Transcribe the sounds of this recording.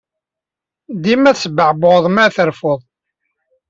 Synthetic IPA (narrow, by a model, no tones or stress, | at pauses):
d̪imæθsəbəʕbðˤmæθəɾfoðˤ